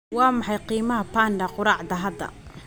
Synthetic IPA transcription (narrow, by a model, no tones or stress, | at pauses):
waːmaħajqiːmɐhɐpaːndaqʊɾaːʕd̪ɐɦad̪ɐ̰